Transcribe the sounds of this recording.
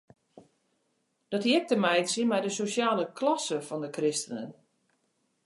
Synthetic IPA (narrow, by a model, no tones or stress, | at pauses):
d̥ɔtjiɛk̚təmɛjtsjəmɛjdəsosaːləklɔsəfɔndəkrɪstənə̰n